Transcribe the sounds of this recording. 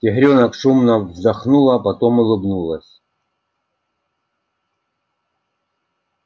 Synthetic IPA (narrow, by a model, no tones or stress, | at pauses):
tʲɪɦɾʲonəkʂumnɐvzd̪ɐxnulˠɐpɐt̪omʊlˠɨbnulˠəsʲ